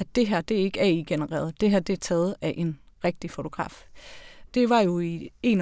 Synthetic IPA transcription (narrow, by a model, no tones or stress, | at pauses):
d̥e̝ɦæɐd̥e̝ɐe̝ɡ̥æɐiɡ̥e̝nəʁɛ̰ːɐðˠd̥e̝ɦæɐd̥e̝ɐt͡sʰɛːð̩ˠæɐʔe̝n | ʁeɡ̥̚d̥ifo̝t͡sʰo̝ɡ̥ʁɑ̰̈ːf | d̥e̝ʋɑ̈jo̝ie̝̰ːn